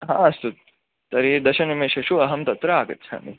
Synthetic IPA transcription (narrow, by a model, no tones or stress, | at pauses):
ɦã̰ːɐst̪ut̪̚ | t̪ɐɾid̪ɐʃɐnʋimeːʃɐʃuɐɦɐmt̪ɐt̪ɾɐaːɡɐ̰t̪ːt͡ʃʰa̰ːmḭ